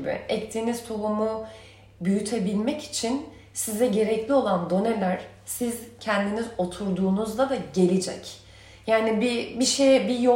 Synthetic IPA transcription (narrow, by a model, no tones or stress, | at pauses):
bɪ̰ɛct̪ʰiːniz̥t̪ʰo̞βumu | byjyt̪ʰebilʲmɛci̥t͡ʃʰin | sizɛɟe̞ɾɛclʲio̞lˠand̪o̞nelʲæɾ̥ | sizcʰɛnd̪inizo̞t̪ʰuɾd̪uːnuzlˠad̪aɟe̞lʲid͡ʒɛ̰c | jaːnibibiʃejɛbijo